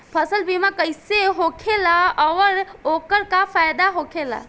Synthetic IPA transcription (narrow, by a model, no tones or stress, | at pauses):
pʰəsəlbimakəjseɦokʰelaəʋəɾokəɾkapʰajd̪aɦokʰela̰